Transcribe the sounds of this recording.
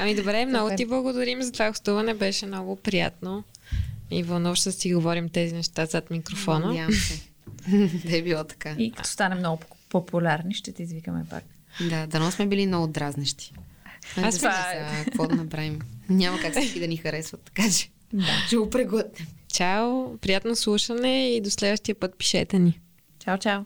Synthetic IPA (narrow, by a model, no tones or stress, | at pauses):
ɐmid̪obɾɛmnɔɡot̪iblˠɐɡod̪ɐɾimzɐt̪ovaɡost̪uvɐnɛbɛʃɛmnɔɡʊpɾija̰t̪̚no | ivɐlˠnuvəʃɛd̪ɐsiɡovɔɾimt̪ɛzinɛʃt̪azət̪mikɾofɔnəjamsɛ | bɛbilˠɔt̪ɐ̥kaikɐ̥t̪ɔ̥st̪anɛmnɔɡʊpopʰʊlʲaɾniʃt̪ɛt̪ɛizvikəmɛ̰pa̰k | d̪ad̪ɐnɔsmɛbilinood̪ɾaznɛʃt̪i̥aaaakɔt̪nɐbɾavimɲʲamɐkaksɛkid̪ɐnixɐɾɛsvɐt̪ːɐ̥kat͡ʃɛ̥ | at͡ʃɛɡopɾɛɡɔt̪̚nɛmt͡ʃawpɾijat̪noslˠuʃənɛid̪oslɛd̪vəʃt̪iəpət̪̚pi̥ʃɛt̪ɛni | t͡ʃawt͡ʃaw